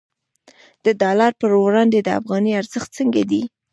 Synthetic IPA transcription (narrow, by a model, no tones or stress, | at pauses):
d̪̥əd̪ɑlaɾpəɾɾɑnd̪ed̪əa̰fɣɑniaɾzəxt̪̚t͡səŋɡad̪i